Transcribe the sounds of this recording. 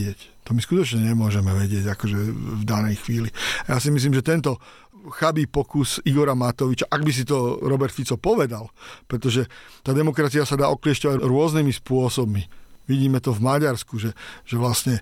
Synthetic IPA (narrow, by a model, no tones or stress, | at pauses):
ɪɛct̪ɔmiskut̪ɔt͡ʃɲɛɲɛmʊɔʒɛmɛʋɛɟɪɛɟakɔʒɛvd̪anɛjxʋiːliajaːsimis̬liːmʒɛt̪ɛnt̪ɔ | xabiːpɔkusiɡɔɾamat̪ɔʋit͡ʃaʔaɡbis̬it̪ɔɾɔbɛɾt̪fit͡sɔpɔʋɛd̪alpɾɛt̪ɔʒɛt̪aːd̪ɛmɔkɾat͡siasad̪aːɔkliɛscɔʋaɾʊɔznimispʊɔsɔbmiʋiɟiːmɛt̪ɔvmaɟaɾskuʒɛʒ̥ɛʋlasɲɛ